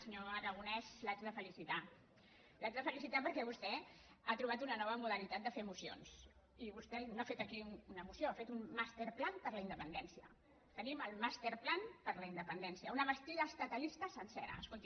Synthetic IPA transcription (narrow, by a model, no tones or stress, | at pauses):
səɲoəɾəɣ̞unɛzlazðəfəlisit̪a | lazðəfəlisit̪apəɾkɛβ̞ust̪ɛ | at̪ɾuβ̞at̪unənɔβəmuðəɾnit̪at̪̚d̪əfeəmusio̰ns | iβust̪ɛnafet̪əkiununəmusjoafet̪unmast̪eɾplanpəɾləind̪əpənd̪ɛnsiə̰ | t̪əniməlˠmast̪eɾplanpəɾləind̪əpənd̪ɛnsiəunəβəst̪iðəst̪ət̪əlist̪əsənsɛɾə̰əskolˠt̪